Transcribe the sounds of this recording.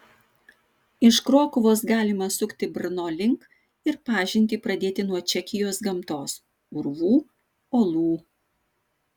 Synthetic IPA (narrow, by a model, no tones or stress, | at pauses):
ɪʃkɾoːkʊʋoːsɡɑːlʲɪmɐsʊkʲt̪ʲɪbʲɾʲnoːlʲɪŋk | ɪɾpɑːʒʲɪnʲt̪ʲipɾɐd̪ʲeːt̪ʲɪnuɔt͡ʃʲɛkʲɪjoːsɡɐmt̪oːs | ʊɾʋuː | oːlˠuː